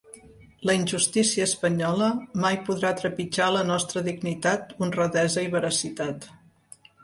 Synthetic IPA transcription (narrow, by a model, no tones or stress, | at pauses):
ləinʲʒust̪isiəːspəɲɔləmajpuðɾat̪ɾəpid͡ʒaələnɔst̪ɾəðiɡnit̪at̪unrəðɛzəiβ̞əɾəsit̪at̪